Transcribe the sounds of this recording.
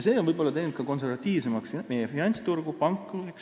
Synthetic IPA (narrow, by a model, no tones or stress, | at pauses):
jse̞ːonvɤjbo̞lːɑt̪ejnenukɑko̞ns̬eɾvɑt̪ːiːvse̞mɑksme̞jefinɑnʲt̪st̪urɡ̥upɑŋkːˑueks